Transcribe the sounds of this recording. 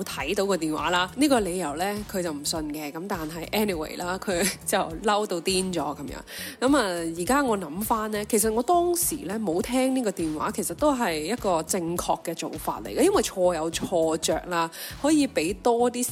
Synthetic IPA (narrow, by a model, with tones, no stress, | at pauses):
t̪ʰɐ˨˥jt̪o˨˥wkɔː˧t̪iː˨˩nwa̰ː˨˥laː˥niː˥kɔː˧le˨˧jɐ˨˩wlɛː˥kʰɵ˨˧ɥt͡sɐ˨wm̩˨˩sɵ˧nkɛ˧kɐ˨˥mt̪aː˨nɦɐ˨jʔɛː˥ni˨wḛ˨˩laː˥kʰɵ˨˧t͡sɐ˨˩wlɐ˥wt̪o˧wt̪iː˥nt͡sɔ̰ː˨˥kɐ˨˦mjœ̰ː˨˧˥ŋkɐ˨˥maː˧jiː˨˩kaː˥ŋɔː˨˧nɐ˨˧˥mfaː˥nlɛː˥kʰe˨˩s̬ɐ˨t̚ŋɔː˨˧t̪ɔː˥ŋsiː˨˩lɛː˥mo˨˧wt̪ʰɛː˥ŋniː˥kɔː˧t̪iː˨nwa̰ː˨˥kʰe˨˩jsɐ˨t̪ːo˥wɦɐ˨jjɐ˥t̚kɔː˧t͡sɪ˧ŋkʰɔː˧kːɛː˧t͡so̰˨˧wfa̰ː˧t̚lḛ˨˩jkɐ˧jɐ˥nwɐ˨˩jt͡ʃʰɔː˧jɐ˨˧wt͡ʃʰɔː˧t͡sœ̰ː˨k̚laː˧hɔː˨˥jiː˨˧pe˨˥jt̪ɔː˥t̪iː˥